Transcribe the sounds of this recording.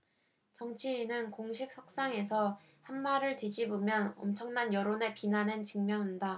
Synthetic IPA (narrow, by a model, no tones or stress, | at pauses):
t͡ɕʌŋt͡ɕʰiːnɯnkoŋɕʰik̚s͈ʰak̚s͈aŋe̞s̬ʰʌ | hanmaɾɯɭtid͡ʑibomjʌnʌmt͡ɕʰʌŋnanjʌɾone̞pinanent͡ɕiŋmjʌŋinda